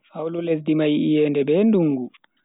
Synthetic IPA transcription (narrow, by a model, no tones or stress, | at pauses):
fawlulɛsdimajiijɛːndɛbɛnduŋɡu